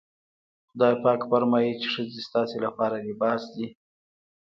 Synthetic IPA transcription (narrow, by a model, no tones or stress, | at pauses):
xʊd̪ɑjpɑkfaɾmɑjit͡ʃeʂəzest̪ɑselapɑɾalɪbɑsd̪i